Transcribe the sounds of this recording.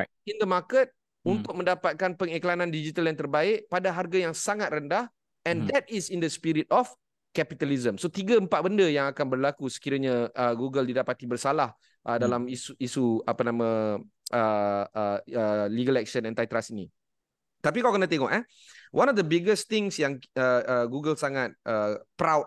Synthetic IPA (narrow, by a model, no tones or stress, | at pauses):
ĩnd̪əmakət̪̚ | unt̪ʊk̚mə̃ndapat̪̚kanpəŋeklanãndid͡ʒit̪aljant̪ərbaɪʔpadaɦarɡajaŋsaŋat̪̚rəndah | ɛ̃nd̪ɛt̪̚isindəspiɾit̪̚ɔf | kɛpit̪alizəmsot̪iɡaəmpat̪ʔ̚bəndəjaŋakanbərlakusə̥kiɾaɲaəɡuɡəldidapat̪ibərsalah | ʔədalamisuisuapanãmã | ʔəəəliɡəlɛk̚ʃənɛ̃nt̪ajt̪ɾasini | t̪ap̬ikawkənãt̪eŋɔʔɛ | wʔanɔfd̪əbiɡəst̪ɪŋsjaŋəəɡuɡəlsaŋat̪̚əpɾawt̚